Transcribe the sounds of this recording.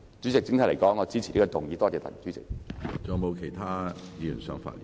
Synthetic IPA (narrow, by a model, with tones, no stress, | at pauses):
t͡syː˨˥t͡sɪ˨k̚t͡sɪ˥ŋt̪ʰɐ˨˥˩le˨˩kɔː˨˥ŋːɔː˨˧t͡siː˥t͡sʰi˨liː˥kɔ˧t̪ʊ˨ŋjiː˨˧t̪ɔː˥t͡sɛː˧t̪ɐ̰˨˩˨t͡syː˨˧˥t͡sɪ̰˨k̚t͡sɔː˨˧˩mo˨˧wkʰe˨˩jt̪ʰaː˥jiː˨˧jy˨˩nsœː˨˥ŋfa̰ː˧t̚liː˨